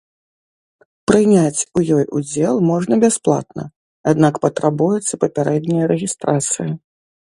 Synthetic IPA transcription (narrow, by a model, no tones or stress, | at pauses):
pɾɨnʲat͡sʲujɔjʔud͡zʲɛlˠmɔʐnɐbʲasplˠa̰t̪nɐ̰ | ad̪nakpɐt̪ɾʔabujɛt̪sːɐpɐpʲaɾɛd̪ʲnʲijɐɾɛɣʲist̪ɾat̪sɨji